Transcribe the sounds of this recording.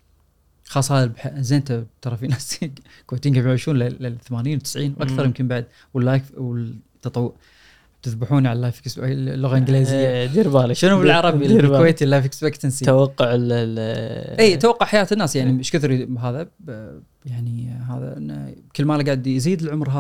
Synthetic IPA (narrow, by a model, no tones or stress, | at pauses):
xɑːsˤhaːðabħaʔzeːnt̪at̪ɑɾˤɑfinaːs | kweːt̪iːnɡamjaʕiːʃuːnlɪɪθamaːniːnwt̪ɪsʕiːnwʔakθɑɾˤjɪmkɪmbaʕd̪̚ | wəlːakfwɪt̪ːɑt̪ˤɑwːʊʔ | t̪ɪðbɪħuːnʕallːajfɪksblːʊɣaɪnɡliːzɪjːad̪iɾbaːlɪʃɪnubɪlʕɑɾˤɑbikweːt̪ilːajfɪksbekt̪ansit̪awɑqːʊʕɪl | ʔiːt̪awɑqːʊʕħajaːt̪ɪnːaːsjaʕniʃkʊθɾibɦaːða | jaʕniɦaːða̰ʔɪnːa̰kəlːmaːlaɡaʕd̪jziːd̪ɪlʕʊmɾɦaː